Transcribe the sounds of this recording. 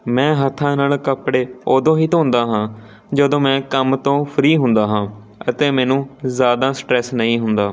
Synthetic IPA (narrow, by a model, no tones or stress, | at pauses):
mɛ̃ːɦət̪ʰːãːnaːlkəpɽeːoːd̪õːɦiːt̪õːnd̪aːɦãː | d͡ʒəd̪õːmɛ̃ːkəmt̪õːpʰəɾiːɦʊnd̪aːɦãː | ət̪eːmɛ̃ːnũːzjaːd̪aːsʈɾɛːsnəĩːɦʊnd̪aː